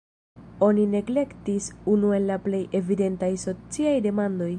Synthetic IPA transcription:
o̞nine̞ɡle̞ktisunue̞nlaple̞je̞vide̞ntajso̞t͡siajde̞mando̞j

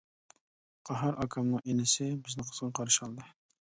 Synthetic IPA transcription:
qʰɑɦɑɾʔɑkʰɑmnɪʔenɪsɪbɪznɪqʰə̥z̥ʁɑqʰɑɾʃɑlˠd̪ɨ

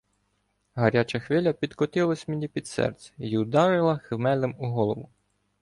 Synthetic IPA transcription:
ɦɐɾʲat͡ʃɐxʋɪlʲɐpʲid̪kɔt̪ɪlˠɐsʲmenʲipʲid̪sɛ̰rt̪sʲɛ̥jiʊd̪ɑɾɪlˠɐxemɛlʲɪmuɦɔlˠɔʋʊ

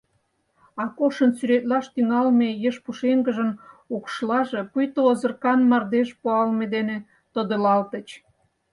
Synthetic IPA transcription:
ɑkoʃənsyɾet̪̚lɑʃt̪yŋɑlmejəʃpuʃeŋɡə̆ʒənukʃlɑʒepujt̪oːzə̆rkɑnmɑrd̪eʃpuɑlmed̪ene | t̪ə̆d̪ə̆lɑlt̪ə̆t͡ɕ

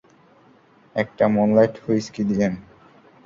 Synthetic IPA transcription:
ɛk̚ʈamonlajʈfojskid̪id͡ʑen

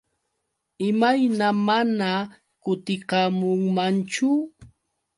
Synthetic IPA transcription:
ɪmajnamana | kʊt̪ɪqɑmʊŋmant͡ʃʊ

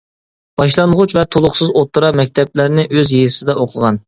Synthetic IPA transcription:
b̥ɑʃlˠɑnʁʊt͡ʃvɛt̪ʰolˠʊχsɨzot̪ʰːɨɾɑmɛk̚ʲt̪ʰɛp̚lɪɾnɪʔøzjejsɨd̪ɑoqʰəʁɑn

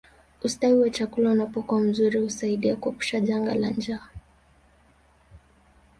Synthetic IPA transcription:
ustawiwat͡ʃakulaunapɔkuam̩zuɾihusaiɗiakuɛpu̥ʃaʄaŋɡa̰la̰nd͡ʒaː

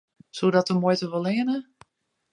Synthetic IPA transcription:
sudɔtəmojtəʋolˠɪənə

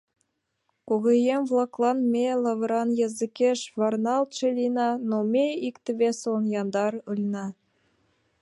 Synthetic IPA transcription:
koɣĕjemvlˠɑklˠɑnmʲelˠɑvɤɾɑnjɑzɨkʲeʃvɑrnɑlˠt̪ʃelʲinɑnomʲeikt̪ɘ̆βʲesonjɑnd̪ɑɾɯlʲnɑ

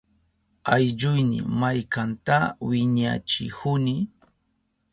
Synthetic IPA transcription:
ajʎʊjnɪ̰majkant̪awɪɲa̰t͡ʃɪ̰hʊnɪ

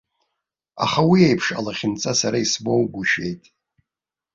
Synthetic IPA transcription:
a̰χawiejpʰʂa̰laχʲɪnt͡sʼasaɾaisbo̞wɡʷuʃᶣe̞jtʼ

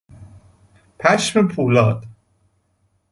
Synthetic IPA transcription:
pʰæʃmepʰuːlɒːd̪̥

